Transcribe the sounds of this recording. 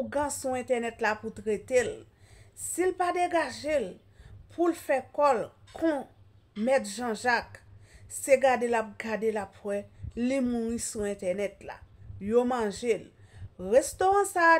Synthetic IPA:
ɡãsuɛ̃t̪ɛnɛtlaput̪ʁet̪el | silpadeɡaʒel | pʰulfɛkɔlkʰɔ̃ | mɛt̪ʒɑ̃ʒakseɡadelap̚ɡadelapwɛlimuʁĩsuɛ̃t̪ɛnɛt̪la̰jomɑ̃ʒelʁest̪oʁãsaː

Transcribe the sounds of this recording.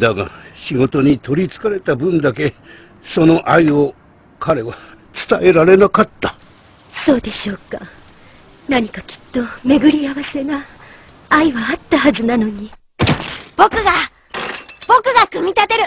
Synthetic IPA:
d̪aɡa̰ɕiɡo̞t̪o̞ɲ̟it̪o̞ɾʲit͡sɨ̥kaɾe̞t̪abɯ̟̃nd̪ake̞ | so̞no̞ʔaio̞ | kʰaɾe̞βa | t͡sɨ̥t̪ae̞ɾaɾe̞nakat̪ːḁ | so̞ːd̪e̞ɕo̞ːka̰ | naɲ̟ikakʲi̥t̪ːo̞me̞ɡɯ̟ɾʲiaβase̞naː | iβaːt̪ːahazɨnano̞ɲ̟i | b̥o̞kɯ̟ɡa | b̥o̞kɯ̟ɡakɯ̟mʲit̪at̪e̞ɾɯ̟

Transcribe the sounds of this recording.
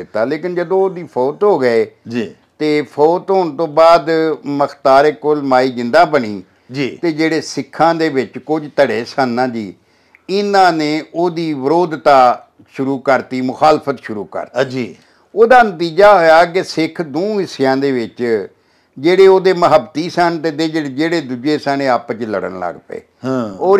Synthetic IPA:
ɪt̪ːaːleːkɪnd͡ʒəd̪õod̪iːpʰɔːt̪ɦoːɡəeːd͡ʒi | t̪eːpʰoːt̪ɦoːɳt̪õːbaːd̪məkʰt̪aːɾeːkolmaːiːd͡ʒɪ̃nd̪ãːbəɳiː | d͡ʒiːt̪eːd͡ʒeːɽeːsɪkʰːãːd̪eːʋɪt͡ʃkʊd͡ʒt̪əɽeːsənːãːd͡ʒiː | ɪnãːneːoːd̪iːʋəɾoːd̪t̪aː | ʃʊɾuːkəɾt̪iːmʊxaːlpʰət̪ʃʊɾṵːkə̰ɾt̪d͡ʒi | oːd̪aːnət̪iːd͡ʒaːɦoːjaːk̬ɪsɪkʰd̪õːɦɪsɪjãːd̪eːʋɪt͡ʃ | d͡ʒeːɽeːoːd̪eːməɦəbt̪iːsənt̪eːd̪eːd͡ʒed͡ʒeːɽeːd̪ud͡ʒeːsənẽːapt͡ʃlə̰ɽə̰nlə̰ɡpḛ̃ːoː

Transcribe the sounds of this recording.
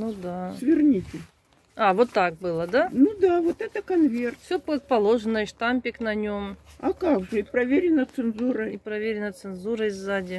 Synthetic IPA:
nud̪asvʲɪrnʲitʲɪ | avo̞t̪ːak̚bɨlˠəd̪anud̪avot̪ɛt̪əkɐnvʲert̪fsʲopət̪̚pɐlˠo̞ʐɨnəʂt̪amʲpʲɪknɐnʲo̞mɐkaɡʐɨpɾɐvʲeɾʲɪnət̪sɨnzuɾəɪpɾɐvʲeɾʲɪnət̪sɨnzuɾəɪzːadʲɪ

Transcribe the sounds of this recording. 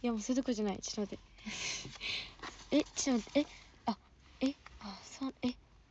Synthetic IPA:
jamosod̪okɯɾʑanaḭt͡ɕi̥nod̪e | et͡ɕinod̪eea | easone

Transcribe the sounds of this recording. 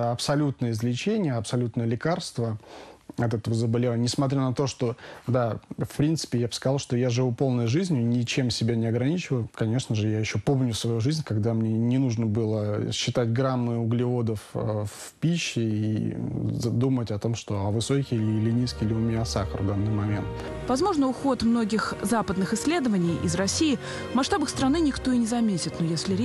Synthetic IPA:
ɐpsɐlʲut̪nəjəɪzlʲɪt͡ɕenʲɪjəɐpsɐlʲut̪nəjəlʲɪkarst̪vəɐt̪ɛt̪əvəzəbɐlʲɪvanʲɪsmɐt̪ʲɾʲanɐt̪o̞ʂt̪o̞d̪afpɾʲint̪sɨ̥pʲɪjabskɐzɑlˠʂt̪o̞jaʐɨvupo̞lˠnəjʐɨzʲnʲɪnʲɪt͡ɕe̞msʲɪbʲanʲɪɐɡɾɐnʲit͡ɕɪvəjkɐnʲe̞ʂnəʐɨjajɪɕːo̞po̞mnʲʊsvɐjuʐɨzʲnʲkɐɡd̪amnʲenʲɪnuʐnəbɨlˠəɕːɪt̪atʲɡɾamːɨʊɡlʲɪo̞d̪əff | pʲiɕːɪḭ | d̪umətʲɐt̪o̞mʂt̪o̞ɐvɨso̞kʲɪlɪlʲɪnʲijskʲɪlʲɪʊmʲɪnʲasaxərvd̪anːɨjmɐmʲe̞̰nt̪ | vɐzmo̞ʐnəʊxo̞t̪mno̞ɡʲɪxzapəd̪nɨxɪsʲːlʲe̞d̪əvənʲɪjʔɪ̰zrɐsʲːiː | mɐʂt̪abəxst̪ɾɐnɨnʲɪkt̪o̞ɪnʲɪzɐmʲetʲɪt̪nojesʲlʲɪɾʲ

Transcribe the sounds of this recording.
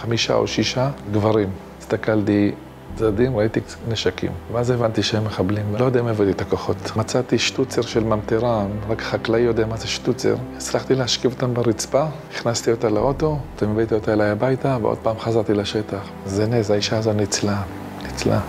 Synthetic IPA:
χamiʃa̰o̰ʃiʃaɡvaʁim | ist̪akalti | t͡sadimʁait̪i | neʃakḭmveaze̞vantiʃehemːeχablimvelojodemevat̪it̪akoχo̞tmat͡sat̪iʃtut͡seʁʃelmamteʁamʁakḁχaklaijo̞deamazeʃtut͡sḛʁit͡slaχt̪ilehaʃkivot̪ambeʁit͡spa | iχnast̪io̞taleʔoto̞t̪amebejt̪iotaelajabajtaveo̰d̚paːmχazaʁt̪ilaʃetaχ | zenezaiʃaazo̞tnit͡sla | nit͡sla̰

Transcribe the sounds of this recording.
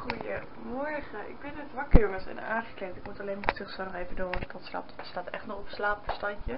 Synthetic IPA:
χujə | mɔɹχəʔɪ̰ɡ̚bɪnətʋɑkəɹjoŋəsɛ̰nə̰aːχə̥klɛntɪkmutɑlejnmatɪχsanɔχevədoːnəsbɔtsla̰ːp̚tdəstaːtʔɛ̰χtnɔχɔpəslaːpəstɑɲcə

